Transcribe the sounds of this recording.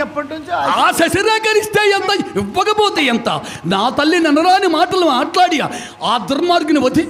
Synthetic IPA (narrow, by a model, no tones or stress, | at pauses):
ɛpːɐʈːut͡ʃːaːsɐsɐɾɛːkɐɾist̪eːjɐnt̪ɐiʋːɐkɐboːt̪iːɐnt̪a̰ː | naːt̪ɐlːinɐnɐɾaːnimaːʈɐlumaːʈlaːɽia̰ | aːd̪ɐɾmaːɾɡɐniʋɐd̪ʱi